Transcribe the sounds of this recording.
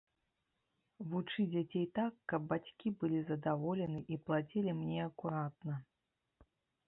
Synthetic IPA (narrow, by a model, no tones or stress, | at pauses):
vut͡ʂɨd͡zʲat͡sʲejt̪akːɐb̚ːat͡sʲkʲibɨlʲizɐd̪avɔlʲɛnɨʔiplˠat͡sʲilʲimnʲɛɐkuɾat̪̚nɐ